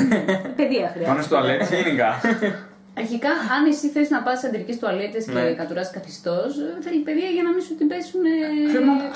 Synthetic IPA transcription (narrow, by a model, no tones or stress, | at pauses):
peðiɐxɾiɐɐnost̪uɐlet̪esinikɐ | ɐɾçikɐɐne̞siθeiznɐpɐst̪isɐnd̪ɾicest̪uɐlet̪eskekɐt̪uɾɐskɐθist̪osθeɾçipeðiɐʝɐnɐmisot̪ibesune